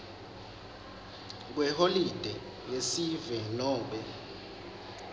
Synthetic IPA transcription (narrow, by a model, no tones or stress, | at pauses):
k̬wɛholid̥ʱɛ | jesivɛnɔːmɓʱʼɛ